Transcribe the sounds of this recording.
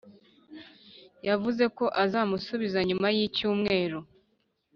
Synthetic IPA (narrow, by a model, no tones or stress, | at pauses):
javuze̞ko̞ʔazaːmusuβizaɲumajicuːmŋe̞ːɾo